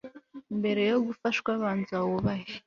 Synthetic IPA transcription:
mbɛɾɛjoɣufaʃkwaβand͡zawɔβaʃi

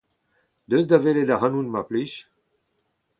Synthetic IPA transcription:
d̪øzd̪aveled̪aɦanunmapliʃ

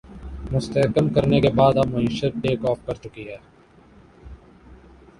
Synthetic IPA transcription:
mʊst̪əɦkəmkəɾnekebaːd̪abmɐiːʃət̪̚eːkɔːfkɐɾt͡ʃʊkiɦɛː

